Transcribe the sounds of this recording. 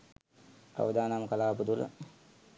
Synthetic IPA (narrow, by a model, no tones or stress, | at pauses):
a̰ʋəd̪aːnamkəlaːpud̪ulə̰